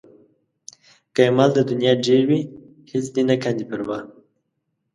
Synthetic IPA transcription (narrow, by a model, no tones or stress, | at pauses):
kajemald̪əd̪ʊnjɑɖeɾwi | hɪsd̪inakand̪ipəɾwa